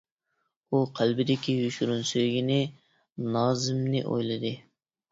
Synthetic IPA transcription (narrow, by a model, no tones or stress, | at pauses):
uqʰælbɪd̪ɪkʲijuʃuɾunsøjɡʲinɪ | nɑːzɪmnɪ̰ʔo̰jlˠɨd̪ɨ